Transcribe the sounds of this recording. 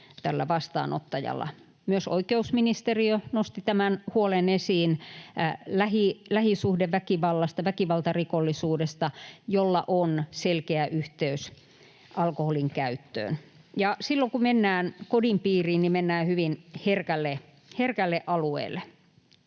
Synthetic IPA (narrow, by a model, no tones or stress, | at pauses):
t̪ælːæ̰ʋɑst̪ɑ̰ːno̰t̪ːɑjɑ̰lːɑ̰ | myøso̰ikeusminist̪eriønost̪it̪æmænhuolenesiːn | læhilæhisuhdeʋʋækiʋɑlːɑst̪ɑʋækiʋɑlt̪ɑrikolːisuːdest̪ɑjolːɑ̰ʔonselkeæʔyht̪eys | ʔɑlkoholiŋkæyt̪ːø̰ːn | jɑsilːokumenːæːnkodimpiːriːnnimenːæːhyʋinherkælːe | herkælːeʔɑluḛːlːˑe